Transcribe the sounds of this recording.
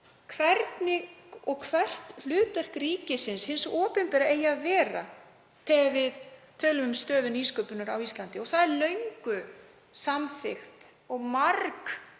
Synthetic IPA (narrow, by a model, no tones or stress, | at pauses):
kʰvɛɾt̪nɪkɔɣkʰvɛr̥t̪l̥ʏːt̪ɛr̥kɾiːcɪsɪnshɪnsɔːpʏnpɛːɾaeːjaːðvɛːra̰ | pʰɛvɪðt̪ʰœːɥlʏmʏmst̪œːðʏniːskœpʏnʏɾawist̪lant̪ɪɔθaðɛɾlœɥŋkʏ | samθɪxt̪ | ɔɣmaɾk